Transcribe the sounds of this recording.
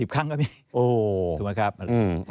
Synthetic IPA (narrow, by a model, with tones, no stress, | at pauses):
i˨˩pkʰa˥˩ŋkɔː˥˩miː˧ | ʔoː˧˩o˨˩ma˦˥kʰa˦˥p̚ʔa˧˩aː˧˩˧